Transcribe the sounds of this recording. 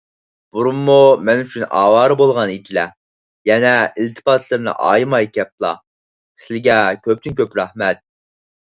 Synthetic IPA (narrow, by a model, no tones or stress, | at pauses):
b̥uɾumːumɛnyt͡ʃʰynɑ̰ːwɑːɾɨbolˠʁɑnid̪ɪlɛ | jɛnɛilt̪ʰɪ̥pɑːt̪ʰlˠɨɾnɨ̰ʔɑ̰ːjmɑjkʲʰɛp̚lˠɑ̰ | sɪlɪɡʲɛkʲʰøp̚t̪ʰynkʲøpɾɑhmɛt̪̚